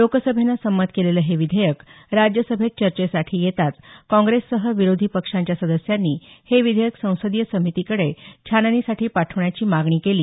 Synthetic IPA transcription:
lokəsəbʱenːasəmːət̪keleləːɦeʋid̪ʱəjək | ɾad͡ʑjəsəbʱet̪̚t͡ɕəɾt͡ɕesaʈʰiːjet̪at͡skɔ̃ŋɡɾesːəɦəʋiɾod̪ʱipəkʂaɲt͡ɕjasəd̪əsjanːiːheʋid̪ʱəjəksə̃w̃səd̪jəsəmit̪ikəɽet͡ɕʰjananisaʈʰiːpaʈʰəʋɳjat͡ɕiːmaɡɳiːkeliː

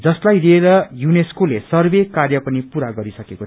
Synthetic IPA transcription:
d͡zʌslajrieɾʌjuneskulːesʌrbekarjʌpʌnipuɾaɡʌɾisʌkeko

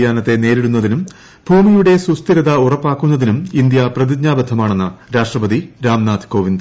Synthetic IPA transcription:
jaːnɐt̪ːe̞ne̞ːɾiɽunːɐðinum | bʱuːmijuɽe̞sust̪iɾɐd̪ɐurɐpːaːkːunːɐðinumind̪jɐprɐðitɲaːbɐd̪ʰʱːɐmaːɳe̞nːɨɾaːʂʈrɐbɐd̪iɾaːmnaːd̪ʰɨ̥ko̞ːʋind̪ɨ

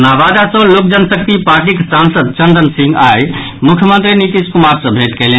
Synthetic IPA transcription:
naʋad̪asɔ̃lok̚ʰd͡ʒənsək̚t̪ipaːɾʈiksaːnsəd̪̚t͡ʃə̃nd̪ənsɪ̃ŋɡaːe | mʊkʰjəmə̃nt̪ɾinit̪iskʊmaːɾsɐ̃bʱeːʈkɛle

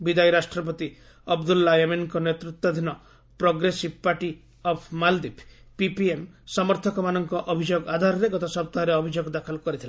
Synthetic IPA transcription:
bid̪ajɾasʈɾɔp̬ɔt̪i | ɔbd̪ulːaemenkɔnet̪ɾut̪wɔd̪ʱinɔ | pɾoɡɾesib̚paʈi | ɔpʰmald̪ipʰ | pipiemsɔmɔɾt̪ʰɔkɔmanɔŋkɔʔɔbʱid͡ʒoɡad̪ʱaɾɔɾeɡɔt̪ɔsɔp̚t̪aɦɔɾeɔbʱid͡ʒoɡd̪akʰɔlkɔɾit̪ʰila

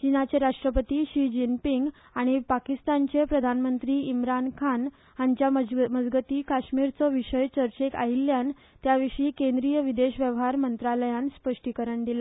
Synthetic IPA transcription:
t͡ɕinat͡ɕeɾaʂʈɾəpət̪iːɕid͡ʑinpiŋɡ | aɽ̃ipakist̪ant͡sepɾəd̪ʱanmənt̪ɾiːimɾankʰan | ɦaɲt͡ɕjaməd͡zɡət̪iːkaɕmiɾt͡sɔʋiʂəjt͡səɾt͡ɕeka̰ɦilːjan | t̪jaʋiʂiːkẽnd̪ɾijəʋid̪eɕʋjəʋɦaɾmənt̪ɾaləjãnspəʂʈikəɾəɳd̪ila

